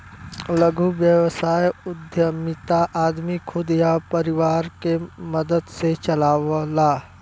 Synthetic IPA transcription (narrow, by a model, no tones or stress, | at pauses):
ləɡʱuʋjəʋsaːjʊd̪ʱjəmɪt̪aʔaːd̪mikʰʊd̪japəɾɪʋaːɾkeməd̪əd̪set͡ʃɐlaːʋlaː